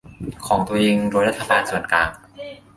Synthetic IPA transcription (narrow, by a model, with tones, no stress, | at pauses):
kʰɔː˩˦ŋt̪u˧əʔeː˧ŋɾoː˧jɾa˥t̪ʰːa˧baː˧nsu˨˩ənklaː˧ŋ